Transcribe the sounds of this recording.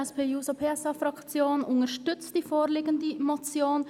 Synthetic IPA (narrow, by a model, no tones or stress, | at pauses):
ɛspʰeːjuːsopʰeːɛsɑfɾɑkt͡sjoːnʊŋəʃtʏt͡std̥iːfoːɾliːɡən̩dəmot͡sjoːn